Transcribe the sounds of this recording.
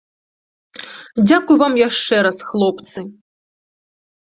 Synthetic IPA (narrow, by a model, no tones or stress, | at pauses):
d͡zʲakujvamjaʂt͡ʂɛɾɐsxlˠɔpt̪sɨ